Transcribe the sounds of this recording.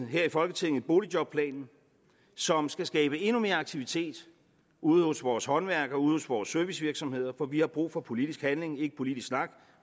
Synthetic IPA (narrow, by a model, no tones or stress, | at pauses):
ɦæɐ̰ifɒ̽lɡət͡sʰiðˠn̩eb̥o̝ːlid̥jɒ̽b̥̚pʰlɛ̰ːnn̩ | sɒ̽msɡ̥æsɡ̥ɛːb̥əe̝nume̝ːɐɑ̈ɡ̥̚t͡sʰiʋit͡sʰe̝̰ːd̥ | uð̞̩ˠosʋɒːshɒ̽nʋæɐɡ̥ɐuːð̞̩ˠhosʋɒːsːøɐʋisʋiɐɡ̥sɒ̽mhe̝ð̞̰ˠɐfɒ̽ʋihɑ̈b̥ʁṵːfɒ̽pʰo̝lid̥isɡ̥hænle̝ŋe̝ɡ̥əpʰo̝lid̥isɡ̥snɑ̈ɡ̥